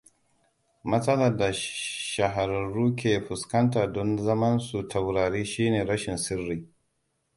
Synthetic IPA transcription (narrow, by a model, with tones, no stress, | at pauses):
mɐ˦sɐ˦lɐ˨da˨ʃɐ˨ɦa˨ɾɐ˨ɾuː˦k̬ʲeː˨ɸʊ˨skɐ˦ntaː˨dɔ˦nzɐ˦mɐ˦nsu˨tʰa˨wɾaː˨ɾiː˦ʃiː˦neː˨ɾɐ˦ʃɪ˨nsɪ˦rːiː˦